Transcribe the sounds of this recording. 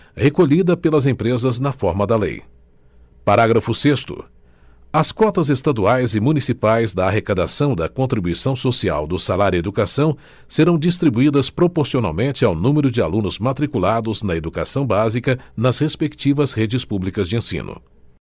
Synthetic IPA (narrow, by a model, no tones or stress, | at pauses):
hekoʎid̪ɐpelɐzẽpɾezɐznɐfɔɾmɐd̪ɐlḛj | paɾaɡɾɐfʊsest̪ʊ̰ | ɐskɔt̪ɐzest̪ad̪uajzɪmũnisipajzd̪ɐːɦekad̪asɐ̃w̃d̪ɐkõnt̪ɾibujsɐ̃w̃sosia̰wd̪ʊsalaɾjʊed̪ukasɐ̃w̃ | seɾɐ̃w̃d͡ʒist̪ɾibuid̪ɐspɾopoɾsiona̰wmẽnt͡ʃɪawnũmeɾʊd͡ʒɪa̰lũnʊzmat̪ɾikulad̪ʊznɐed̪uka̰sɐ̃w̃bazikɐnɐzhespekt͡ʃivɐzhed͡ʒɪspublikɐzd͡ʒɪẽsḭ̃nʊ̰